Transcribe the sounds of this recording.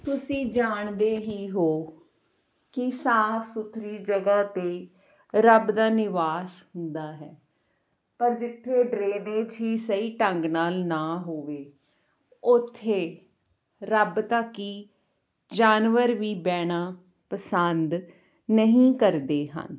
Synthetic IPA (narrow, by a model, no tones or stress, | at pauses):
t̪ʊsĩːd͡ʒaːɳd̪eːɦiːɦoː | kɪsaːpʰsʊt̪ʰːɾiːd͡ʒəɡaːt̪eː | ɾəbd̪aːnɪʋaːsɦʊnd̪aːɦɛː | pəɾd͡ʒɪt̪ʰːeːɖɾeːɖẽːd͡ʒɦiːsəiːʈəŋɡnaːlnaːɦoːʋeː | ʊt̪ʰːeː | ɾəbt̪əkːiː | d͡ʒaːnʋəɾʋiːbɛːɽ̃aː | pəsənd̪ | nəɦĩːkəɾd̪eːɦə̰n